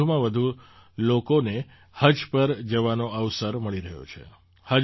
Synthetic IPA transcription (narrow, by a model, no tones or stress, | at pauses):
umãʋəd̪ʱu | lokone | həd͡ʒpəɾd͡ʒəʋanoəʋsəɾməɭiɾəɦjo̰t͡ʃʰḛ | hə